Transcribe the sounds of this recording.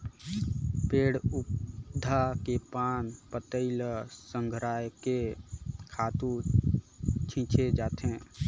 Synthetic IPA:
peːɽʊpd̪ʱakepaːnpət̪əɪlsə̃ŋɡʱɾaːjkekʰaːt̪u | t͡ʃʰĩːt͡ʃʰed͡ʒaːt̪ẽː

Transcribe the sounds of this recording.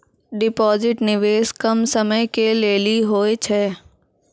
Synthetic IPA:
ɖɪpɔːzɪʈnɪʋeːskɐmsəməjkeleːliɦoːet͡ʃʰɛː

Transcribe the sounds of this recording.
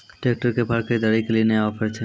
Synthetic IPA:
ʈek̚ʈaɾkebʱaɾkad̪aɽikelieneaafeɾet͡ɕʰe

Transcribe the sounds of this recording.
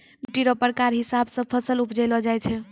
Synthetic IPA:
ʈiɾɔpəɾkaɾɦisabsə̃pʰəsəlupd͡ʒɛlɔd͡ʒajt͡ʃʰɛ

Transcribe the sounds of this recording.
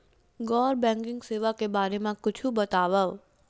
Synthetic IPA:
ɡɔːɾbɛ̃ːŋkɪ̃ŋɡseːʋakebaːɾemãkʊt͡ʃʰubɐt̪aːʋəʋ

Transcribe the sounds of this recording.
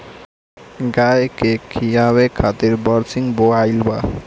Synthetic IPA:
ɡajkekʰijawekʰat̪iɾbɔɾsiŋboajlba

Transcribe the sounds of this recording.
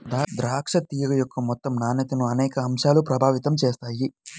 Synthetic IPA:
d̪ad̪ɾaːkʂɐt̪ːiːjɐɡɐjɔkʰːɐmɔt̪ːɐmnaːnɐt̪ɐnuɐnɛːkɐɐmʃaːlupɾɐbʱaːʋit̪ɐmt͡ʃeːst̪aːji

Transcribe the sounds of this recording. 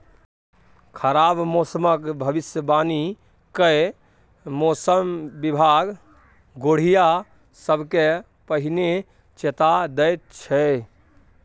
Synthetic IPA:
kʰəɾabmosəməkbʱəbisjəbani | kə | mosəmbibʱaɡ | ɡoɽ̤ija | səbʱke | pəɦine | t͡ʃet̪ad̪əjt̪̚t͡ʃʰɛ

